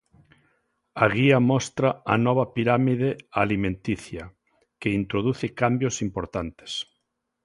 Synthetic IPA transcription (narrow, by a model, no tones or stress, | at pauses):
aɣiamɔst̪ɾaanɔβ̞apiɾamiðealimẽnt̪iθja | keint̪ɾoð̞uθɪkambjosimpoɾt̪ant̪e̥s